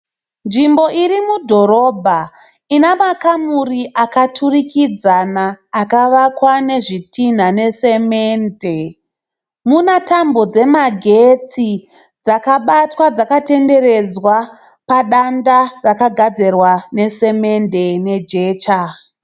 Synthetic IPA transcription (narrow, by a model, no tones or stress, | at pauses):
nʐimbo̞ʔiɾimudʱo̞ɾo̞bʱa | inamakamuriʔakatʰurikid͡zanaːkaʋakwane̞ʐitin̤ane̞se̞meːnde̞ | munatambo̞d͡ze̞maɡʱe̞t͡si | d͡zakaɓatwad͡zakate̞nde̞re̞d͡zwa | paɗandarakaɡʱad͡ze̞rwane̞se̞me̞nde̞ne̞d͡ʒe̞ːt͡ʃa